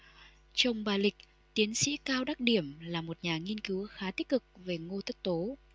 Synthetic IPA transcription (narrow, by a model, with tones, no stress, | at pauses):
t͡ɕə˧wŋ͡mɓaː˨˩lï˨˩k̚ | t̪i˨˦ənsḭ˧˥kaː˧wɗaː˦˥k̚ɗi˧˩əmlaː˨˩mo˨˩t̚ɲaː˨˩ŋi˧ənki˨˦wxaː˨˦t̪i˦˥k̚kɨ˨˩k̚ve˨˩ŋo˧t̪ʰə˦˥t̚t̪o˨˦